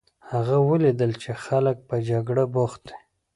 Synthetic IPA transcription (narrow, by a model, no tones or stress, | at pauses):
haɣawəlid̪əlt͡ʃexalək̚pəd͡ʒaɡɽaboxt̪̚d̪e̥